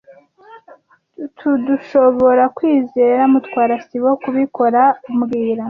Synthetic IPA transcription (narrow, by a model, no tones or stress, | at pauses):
tʰuduʃo̞βo̞ɾakwiːzeɾamutkwaːɾasiwokuβiko̞ɾaumɡiːɾa